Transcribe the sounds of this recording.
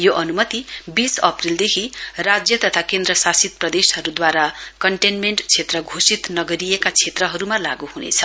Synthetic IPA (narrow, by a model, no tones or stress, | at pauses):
joʔʌnumʌt̪ibisʌprild̪ekʰirad͡zjʌt̪ʌt̪ʰakend̪rʌsasit̪̚prʌd̪esɦʌɾud̪waɾakʌɳʈenmeɳʈt͡sʰet̪rʌɡʱosit̪nʌɡʌɾijekat͡sʰet̪rʌɦʌɾumala̰ɡuhunḛt͡sʰʌ̥